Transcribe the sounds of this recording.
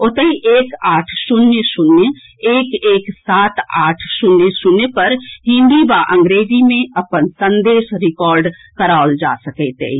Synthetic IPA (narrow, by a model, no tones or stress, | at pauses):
ot̪əiʔeːkaːʈʰsʊnjəsʊnjə | eːkeːksaːt̪aːʈʰsʊnːesʊnːepɐɾɦɪ̃nd̪ibaʔə̃ŋɡɾeːd͡ʒimẽɐpənsə̃nd̪eːʃɾɪkɔːɾɖ | kəɾaːʊld͡ʒa̰səkɛt̪ḛ